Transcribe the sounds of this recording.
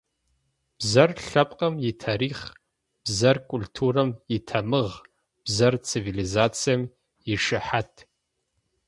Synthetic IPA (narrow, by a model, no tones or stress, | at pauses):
b̥zɐrɬapʼqʼamitʰaːɾiχ | b̥zɐrkʷʼultʰuramitʰamɨʁ | b̥zɐrt͡sʰivilizat͡sʰijam | iʂɨħatʰʼ